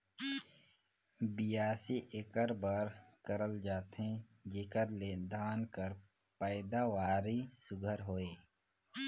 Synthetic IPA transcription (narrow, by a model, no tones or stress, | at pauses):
bijaːsiʔekəɾbəɾkəɾəld͡ʒaːt̪ɦɛ̃ | d͡ʒeːkəɾled̪ʱaːnkəɾ | pəːɪd̪awaːɾisʊɡʱəɾɦoːeː